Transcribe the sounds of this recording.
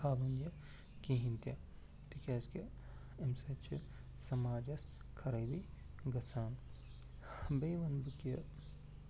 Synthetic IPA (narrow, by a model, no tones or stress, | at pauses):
aːʋɐnjɐ | kiɦint̪jɐ | t̪ikʲaːskɐ | emsɐt͡ʃʰḭ | sɐmaːd͡ʒɐs | kʰɐɾɐjbi | ɡɐsaːn | beʋɐnbɨkɐ